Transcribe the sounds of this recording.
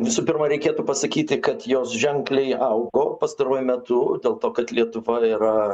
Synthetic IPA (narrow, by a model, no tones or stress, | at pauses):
ʋʲɪsuːpʲɪrmɐɾʲɛɪkʲeːt̪uːpɐsɐkʲiːt̪ʲɪkɐt̪joːsʒʲɛŋklʲɛɪʔɐʊɡoːpɐst̪ɐɾuɔjʊmʲɛt̪ʊd̪ʲeːlˠt̪oːkɐt̪lʲiɛt̪ʊʋɐiːɾɐ